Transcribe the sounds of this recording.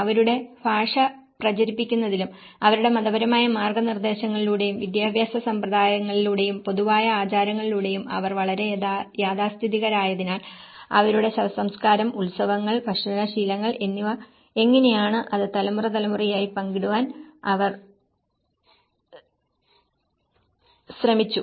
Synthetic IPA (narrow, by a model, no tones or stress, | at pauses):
ɐʋɐɾuɽe̞bʱaːʂɐ | prɐt͡ɕɐɾipːikʲːunːɐðilum | ɐʋɐɾuɽe̞mɐðɐbɐɾɐmaːjɐmaːrɡɐnird̪e̞ːɕɐŋːɐɭiluːɽe̞jumʋid̪jaːbʱjaːsɐsɐmprɐd̪aːjɐŋːɐɭiluːɽe̞jumpo̞ðuʋaːjɐaːt͡ɕaːɾɐŋːɐɭiluːɽe̞jumɐ̰ʋɐrʋɐɭɐɾe̞jaːd̪aːst̪ʰiðiɣɐɾaːjɐðinaːl | ɐ̰ʋɐɾuɽe̞ɕɐɐsɐmskaːɾɐmuɭsɐʋɐŋːɐɭbʱɐʂinɐɕiːlɐŋːɐɭʔe̞nːiʋɐ | e̞ŋːɐne̞jaːɳɨʔɐðɨt̪ɐlɐmurɐt̪ɐlɐmurijaːjipɐŋɡiɽuʋaːnɐʋɐr | ɕrɐmit͡ɕːu